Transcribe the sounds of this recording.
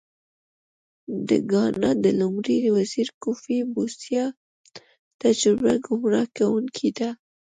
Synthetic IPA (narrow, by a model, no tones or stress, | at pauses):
d̪ə̰ɡɑnad̪əlʊmɾiɾwaziɾkufibusjɑ | t̪ad͡ʒɾʊbaɡʊmɾɑkawuŋkʰid̪a